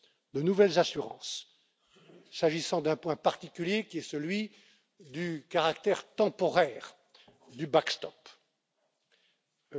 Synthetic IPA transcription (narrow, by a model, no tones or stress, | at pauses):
d̪ənuvɛlzasyʁɑ̰̃s | aʒisɑ̃d̪ɛ̃pwɛ̃paʁt̪ikʲyljekʲiɛsəlɥi | d̪ykaʁakt̪ɛʁt̪ɑ̃pɔʁɛːʁ | d̪ybakst̪ɔp